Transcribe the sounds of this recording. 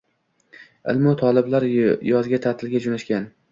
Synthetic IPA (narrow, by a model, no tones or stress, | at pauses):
ɪ̰lmɒt̪ʰɒlˠɪblaɾjɒzɡʲat̪ʰat̪ʰɪlɡʲad͡ʒonaʃkʲan